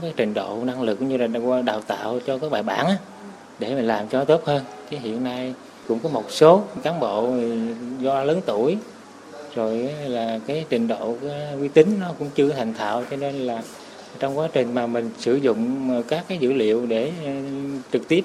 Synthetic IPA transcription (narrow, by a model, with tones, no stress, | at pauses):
kaː˨˦jt͡ɕï˨˩ŋ̟ɗo̰˧˨na˧ŋlɨ˨˩k̚ɲɨ˧laː˨˩wɗaː˨˩wt̪a̰ː˧˨wt͡ɕɔ˧kaː˦k̚ɓaː˨˩ɓaː˧˩˦nʔaː˨˦ | ɗe˧˩mi̟˨˩laː˨˩mt͡ɕɔ˧˦t̪o˦˥p̚həː˧nki˨˦ɦḭ˧˨ənːa˧j | kʊ̰˧˥ŋ͡mkɔ˨˦mo˨˩t̚so˨˦kaː˨˦mɓo̰˧˨˩zɔ˧ləː˨˦nt̪u˧˩əj | zo˨˩jlaː˨˩kaː˨˦jt͡ɕï˨˩ŋ̟ɗo̰˧˨kːkwi˧t̪ï˨˦ŋ̟nɔ˨˦kʊ̰˧˥ŋ͡mt͡ɕɨ˧ət̪ʰa˨˩jŋ̟t̪ʰa̰ː˧˨wt͡ɕɔ˧ne˧nlaː˨˩ | t͡ɕɔ˧wŋ͡mkwaː˨˦t͡ɕï˨˩ŋ̟maː˨˩mï˨˩ŋ̟sɨ̰˧˩zʊ̰˧˨ŋ͡mkaː˦˥kːaː˨˦jzɨ̰˧˥lḭ˧˨əwɗe˧˩˨t͡ɕɨ˨˩k̚t̪i˦˥əp̚